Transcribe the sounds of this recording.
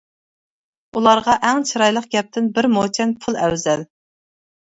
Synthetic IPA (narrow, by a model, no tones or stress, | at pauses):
ulˠɑɾʁɑʔɛŋt͡ʃʰɨɾɑjlˠəq̚ɡʲɛp̚t̪ʰɪnbɪɾmot͡ʃʰɛnpʰʊlˠɛwzɛl